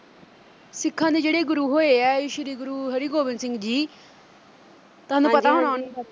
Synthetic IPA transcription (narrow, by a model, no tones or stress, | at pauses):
sɪkʰːãːd̪eːd͡ʒeːɽeːɡʊɾuːɦoːeːɛːɪʃəɾiːɡʊɾuːɦəɾiːɡoːbɪnsɪ̃ŋɡd͡ʒiː | t̪aːnũːpət̪aːɦoɽ̃aːn